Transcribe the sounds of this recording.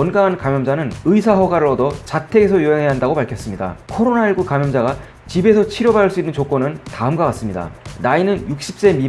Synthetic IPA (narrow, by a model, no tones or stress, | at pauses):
ʌnɡaŋɦankamjʌmd͡ʑanɯnɯisʰaɦʌɡaɾɯɭʌdʌt͡ɕatʰe̞ɡe̞sʰʌjuɦe̞ŋɦe̞aɦandaɡopaɭkʰjʌs͈ɯmɲida̰kʰʌɾonaiɭɡukamjʌmd͡ʑaɡa | t͡ɕibe̞sʰʌt͡ɕʰiɾjʌbaɯɭs͈uinːɯnt͡ɕok͈onɯntaɯmɡakas͈ɯmɲida̰nainɯnjuk̚ɕ͈i̥p̚s͈e̞mi